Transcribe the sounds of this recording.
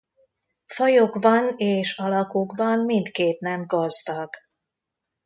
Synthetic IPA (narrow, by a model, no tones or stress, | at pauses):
fɒjoɡbɒneːʃɒlɒkuɡbɒnmint̪keːt̪nɛmɡɒzd̪ɒɡ̥